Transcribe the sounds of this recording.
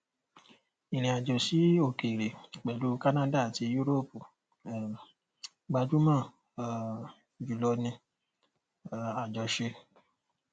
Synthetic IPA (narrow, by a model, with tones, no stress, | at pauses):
i˨ɾ̃ĩ˨a˨d͡ʒo˨si˨˦o˦˨ke˨ɾe˨k͡pɛ˨lu˨˦ka˦nã˦da˦˨ti˧ju˦ɾo˦pu˨ | ɡ͡ba˧d͡ʒu˦mã˦˨ | d͡ʒu˨lɔ˧˦nĩ˧˨ | a˨d͡ʒɔ˨˧ʃe˧